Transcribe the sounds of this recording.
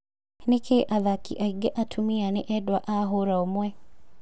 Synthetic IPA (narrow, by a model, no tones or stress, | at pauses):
nekʰeʔaðakḭʔaiɡeʔatʰumianeʔɛdwaʔaɦoɾaomwɛ